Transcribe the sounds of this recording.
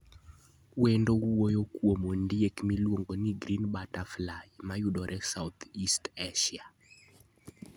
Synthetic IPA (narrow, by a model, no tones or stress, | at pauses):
wendowojokwomondiekmilwoŋɡoniɡɾinbataflajmajudɔɾʔɛsawt̪ʰisteʃia